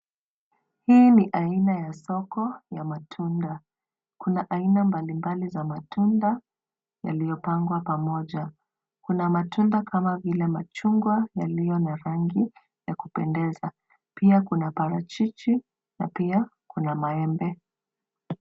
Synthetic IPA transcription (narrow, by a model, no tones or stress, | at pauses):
hiːniʔainajasɔkɔjamatʰunda | kunaʔainambalimbalizamatʰunda | ja̰lijɔpaŋɡwapamɔʄa | kunamatundakʰamavilɛmat͡ʃuŋɡwajalijɔnaɾaŋɡi | jakupɛndɛza | piakunapaɾat͡ʃit͡ʃi | na̰pia | kunamaɛmbɛ